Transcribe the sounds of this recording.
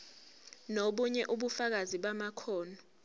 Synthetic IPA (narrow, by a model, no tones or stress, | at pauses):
noɓuɲɛʔuɓufak̬aziɓamakʰɔːnɔ